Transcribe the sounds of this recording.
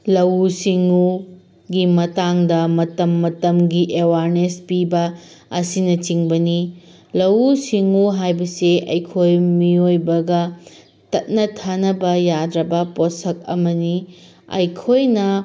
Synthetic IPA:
lɐwusiŋu | ɡimɐtaŋdɐmɐtɐmːɐtɐmɡiʔewaɾnespibɐɐsinɐt͡ʃiŋbɐni | lɐwusiŋuɦajbɐseʔɐ̰jkʰojmiojbɐɡɐ | tɐt̚nɐtʰanɐbɐjadɾɐbɐposɐk̚ɐ̰mɐni | ɐ̰jkʰojnɐ

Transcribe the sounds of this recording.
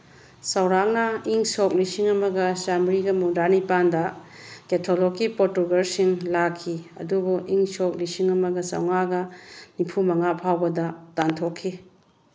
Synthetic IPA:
sɐwɾaŋnɐiŋsok̚lisiŋɐmɐɡɐsamɾiɡɐmudanipandɐ | ketʰolokːipotuɡɐɾsiŋlakʰːiɐ̰dubuiŋsok̚lisiŋɐmɐɡɐsɐ̰wŋaɡɐnipʰumɐŋapʰawbɐdɐtantʰokʰːi

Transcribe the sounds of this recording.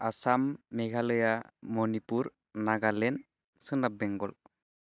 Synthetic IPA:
asamːɛɡʱalɯjamɔnipuɾ | naɡalɛn | sɯnap̚bɛŋɡɔl

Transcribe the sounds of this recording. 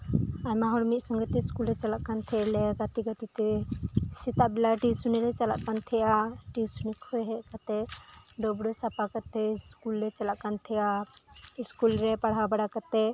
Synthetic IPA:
ajmaɦɔɽmit̪̚sɔŋɡɛt̪ɛskulɾɛt͡ʃalaʔkant̪ʰɛlɛɡat̪iɡat̪it̪ɛsɛt̪aʔbɛlaʈisunɛlɛt͡ʃala̰ʔ̚kant̪ʰɛjʔaʈisunikʰɔjɦɛʔkat̪ɛ | ɖɔbɽɔsapakat̪ɛskulɾɛt͡ʃalaʔkant̪ʰɛja | iskulɾɛpaɽɦabaɽakat̪ɛ

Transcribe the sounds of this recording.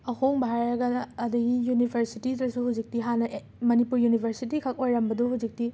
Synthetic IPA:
ɐhʰoŋbʱaɾɾɐɡɐɐdɐɡijunibʰʱɐɾsitidɐsuhud͡ʒik̚tiɦanɐʔ | mɐnipuɾjunibʱʰɐɾsitikʰɐk̚ojɾɐmbɐduɦud͡ʒik̚ti

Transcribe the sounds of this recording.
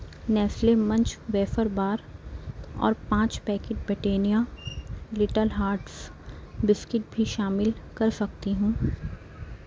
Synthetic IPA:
nɛːflemɐ̃ɲt͡ʃʋɛːfəɾbaːɾ | ɔ̰ːɾpãːt͡ʃpɛːkɪʈ̚bɪʈeːnija | lɪʈəlɦaːɾʈsbɪskɪʈ̚bʱiʃaːmɪlkɐɾsɐk̚t̪iɦũː

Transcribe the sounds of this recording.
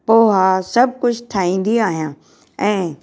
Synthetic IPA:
poːɦasɐb̚kʊt͡ʃʰt̪ʰaːĩːn̆d̪iaːɦjãː | ɛ̃ː

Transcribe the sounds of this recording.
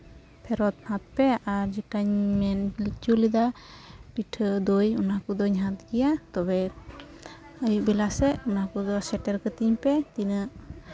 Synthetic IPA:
pʰɛɾɔt̪̚hat̪̚pɛaɾd͡ʒiʈaɲmɛnd͡ʒulid̪apiʈʰɯd̪ujunakɔd̪ɔɲɦat̪̚ɡijat̪ɔbɛ | əjbɛlasɛunakɔd̪ɔsɛʈɛɾkət̪iɲpɛt̪inɯʔ

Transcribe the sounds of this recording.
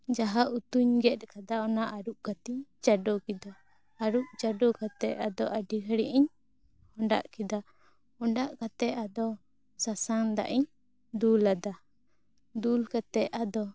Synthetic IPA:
d͡ʒaɦaʔut̪uɲɡɛt̪̚ˀkad̪aɔnaʔaɾuʔ̚kat̪iɲt͡ʃaɖɔkid̪aː | ɾuʔ̚t͡ʃaɖɔkat̪ɛʔad̪ɔʔaɖikaɽiʔiɲ | hɔɳɖa̰ʔkid̪a | ɔɳɖaʔkat̪ɛʔad̪ɔ | sasaŋd̪a̰ʔiɲ | d̪ulad̪a | d̪ulkat̪ɛʔad̪ɔ

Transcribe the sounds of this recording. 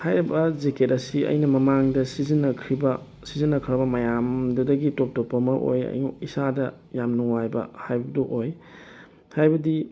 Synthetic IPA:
hajɾibɐzeketɐsiʔɐ̰jnɐmɐmaŋdɐsizinːɐkʰɾibɐ | sizinːɐkʰɾɐbɐmɐjamdɐdɐɡitop̚topːɐmɐʔo̰jɐ̰jisadɐ | jamnuŋajbɐ̰hajbɐduʔoj | hajbɐdi

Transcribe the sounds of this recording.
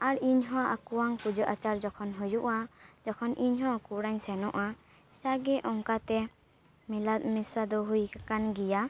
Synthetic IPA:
aɾiɲɦɔ̃ʔakuwaŋpud͡ʒəʔat͡ʃaɾd͡ʒɔkʰɔnɦujuʔad͡ʒɔkʰɔnʔiɲɦɔ̃kuɽaɲsɛnɔʔa | t͡ʃaɡɛʔɔŋkat̪ɛ | mɛlat̪̚mɛsad̪ɔɦujkakanɡija

